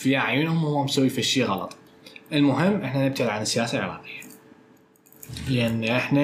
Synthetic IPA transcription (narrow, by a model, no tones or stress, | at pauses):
fiʔaʕjunhʊmhʊwːamsawːifiʃːiːɣɑlɑ̰t̪ˤ | ʔɪlmʊɦɪmːʔɪħnanɪb̚t̪aʕɪd̪ʕanɪsːɪjaːsalʕɪ̰ɾɑ̰ːqɪjːḁ | lʔanːiʔɪħna